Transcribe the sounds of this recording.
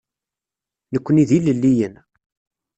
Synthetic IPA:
nəkʷːəniðiləlːijən

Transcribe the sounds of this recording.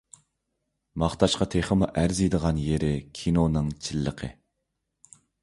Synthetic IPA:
mɑχt̪ʰɑʃqɑt̪ʰeχəmuʔæɾzid̪əʁɑnjeɾɪkʲʰinonɨŋt͡ʃʰilːəqʰə̰

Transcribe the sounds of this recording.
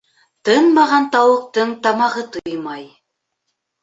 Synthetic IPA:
t̪ɤnmɑʁɑnt̪ɑwɤ̆q̚t̪ɤɴt̪ɑmɑʁɤt̪ɤjmɑj

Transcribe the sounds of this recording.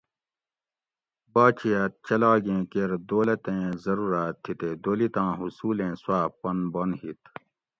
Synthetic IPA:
baːt͡ɕiaːt̪̚t͡ɕɐlaːɡẽːkeɾd̪oːlɐt̪ẽːzɐɾuːɾaːt̪ʰːit̪eːd̪oːlit̪ãːɦusuːlẽːswaːpɐnbonhit̪

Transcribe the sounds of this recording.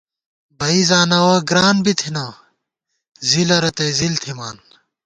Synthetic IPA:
bɐizaːnɐwɐɡɾaːnbit̪ʰinɐ | zilɐɾɐt̪ɐjzilt̪ʰimaːn

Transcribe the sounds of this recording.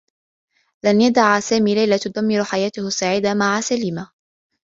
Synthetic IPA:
lanjad̪aʕasaːmiːlajlat̪ʊd̪amːɪɾħajaːt̪ʊhʊsːaːʕiːd̪amaʕasaliːma

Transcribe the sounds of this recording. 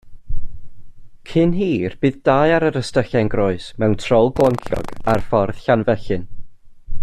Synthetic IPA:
kʰɪnɦiːrb̥ɨːðd̥aːɨaɾəɾəstəɬɛnɡrɔɨsmɛwntʰrɔlˠɡlˠɔŋkʰjɔ̰ɡarfɔrð̥ɬanvɛɬɨn

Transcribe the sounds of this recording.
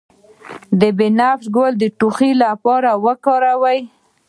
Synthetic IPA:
d̪əbenafɡold̪əʈuxilapɑɾawəkɑɾawəj

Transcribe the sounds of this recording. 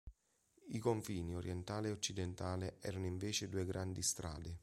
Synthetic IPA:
ikoɱfiːnioɾjɛnt̪aːleot͡ʃːid̪ɛnt̪aːleʔɛ̰ːɾanoiɱveːt͡ʃed̪uːeɡɾʔand̪ist̪ɾa̰ːd̪ɪ

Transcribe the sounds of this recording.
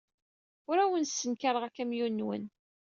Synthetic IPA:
ʊɾæwənsːənkaɾˤəʁækæmjunːwə̰n

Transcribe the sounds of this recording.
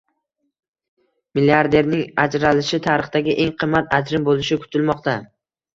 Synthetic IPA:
mɪliaɾd̪e̞ɾnɪŋad͡ʒɾalɪʃɪt̪ʰaɾɨχd̪aɡʲɪʔeŋqʰɨmːat̪ʰad͡ʒɾɪmbolɪʃɪkʰʊ̥t̪ʰɪlmɒqt̪a

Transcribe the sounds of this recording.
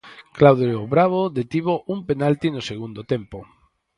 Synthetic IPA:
klawðoβɾaβ̞oðet̪iβoʔumpenalt̪inoseɣ̞und̪ot̪empo

